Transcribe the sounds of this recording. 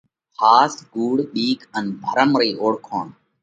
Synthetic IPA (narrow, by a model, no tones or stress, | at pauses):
xʰaːsɡuːɽɗiːkʰənbʱəɾəmɾiːʔoːɽkʰoːɳ